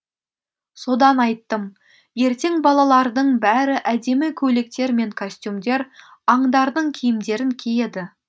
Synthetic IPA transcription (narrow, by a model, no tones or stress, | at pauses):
so̞d̪ɑnɑjt̪ːəm | je̞ɾt̪e̞ŋbɑlˠɑlˠɑɾd̪əɴbæɾɪʔæd̪e̞mɪkʲʰɵlek̚t̪e̞ɾme̞ŋkʰosʲt̪ʲjumd̪e̞ɾ | ɑɴd̪ɑɾd̪əɴkʲʰijɪmd̪e̞ɾɪŋkʲʰeje̞d̪ɪ